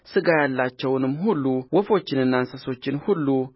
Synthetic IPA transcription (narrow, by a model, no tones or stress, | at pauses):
sɨɡajalːat͡ʃːɛwnɨmːhulːuwɔfo̞t͡ʃːɪnɨnːansəso̞t͡ʃːɪnhulːu